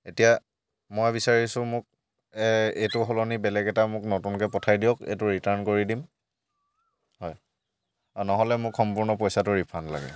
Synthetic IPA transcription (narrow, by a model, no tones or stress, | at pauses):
etija | mɔjbisaɹisʊ̃mʊk̚ | ɛejtʊɦɔlɔnibɛlɛɡɛtamʊknɔtunkɛpɔtʰajdiɔkḛjtʊɹitaɹnkoɹidim | hɔj | anɔɦɔlɛmʊkxɔmpuɹnɔpɔjsatʊɹipʰanla̰ɡɛ̰